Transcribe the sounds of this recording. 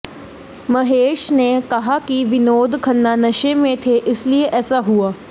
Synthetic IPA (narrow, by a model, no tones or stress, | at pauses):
mɐɦeːʃnekɐɦakiʋɪnoːd̪ʱkʰɐnːanɐʃẽmẽt̪ʰeʔɪslieʔɛːsaɦuaː